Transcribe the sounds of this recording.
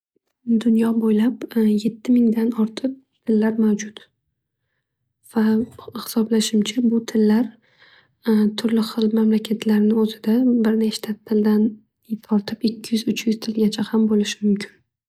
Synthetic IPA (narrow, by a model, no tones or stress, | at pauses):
d̪ʊnjɒbojlapje̞t̪ʰːɪmɪŋd̪anɒɾt̪ʰɨp̚ | t̪ʰɪlːaɾmawd͡ʒʊt̪ | v̥ahɪ̥sɒblaʃɪmt͡ʃʰabʊt̪ʰɪlːaɾ | t̪ʰʊɾlɪχɨlˠmamlakʲʰat̪ʰlaɾnɪɵzɪd̪abɪɾneʃt̪ʰat̪ʰːɪld̪an | t̪ʰɒɾt̪ʰɪpɪkʲʰːɪjʏzʊt͡ʃʰjʏz̥t̪ʰɪlɡʲat͡ʃʰahambolɪʃɪmʊmkʲʰɪn